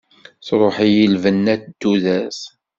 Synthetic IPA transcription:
θɾˤoħijilvənːætd̪ːuðæs

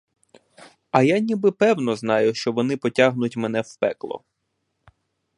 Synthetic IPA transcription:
ɐjanʲibɪpɛwnɔznɑjʊʃt͡ʃɔʋɔnɪpɔtʲaɦnʊtʲmen̪ɛwpɛklˠɔ̰

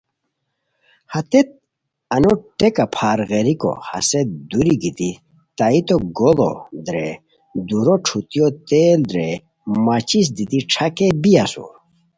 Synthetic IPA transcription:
hɐt̪et̪̚ | ɐnoʈekapʰaːɾɣeɾiko̰hɐ̰sed̪uɾiɡit̪i | t̪ait̪oɡolo̰d̪ɾe | d̪uɾoʈ͡ʂʰut̪jot̪eːld̪ɾe | mat͡ɕis̬d̪it̪iʈ͡ʂʰakebijɐsṵ

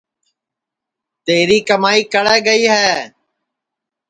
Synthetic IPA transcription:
t̪eːɾiːkəmaːiːkəɽɛːɡəiːɦɛː

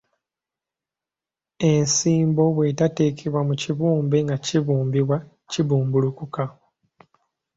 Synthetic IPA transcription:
e̞nsiːmbo̞βwe̞tate̞kʰeβwamuciβuːmbe̞ŋɡaciβuːmbiβwa | ciβuːmbulukuka

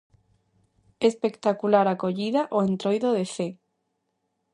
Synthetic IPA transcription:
espekt̪akulaɾakoʎiðaʔoent̪ɾojðoðeθe

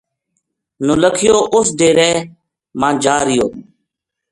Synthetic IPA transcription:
nuləkʰɪjoːʔʊsd̪eːɾɛː | mãːd͡ʒaːɾɪjoː

